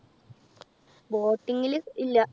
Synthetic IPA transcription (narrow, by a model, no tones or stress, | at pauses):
boːʈːiŋːiliilːɐ